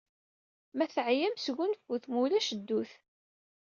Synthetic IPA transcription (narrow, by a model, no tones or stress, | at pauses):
mæθʕjæmsɣʊnfuθmulæʃəd̪ːuθ